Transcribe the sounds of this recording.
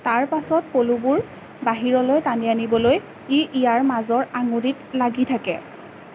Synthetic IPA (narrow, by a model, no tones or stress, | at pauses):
taɹpasɔt̚polubuɹ | baɦiɹɔlojtanianibɔloj | iʔijaɹmazɔɹaŋuɹitlaɡitʰakɛ̰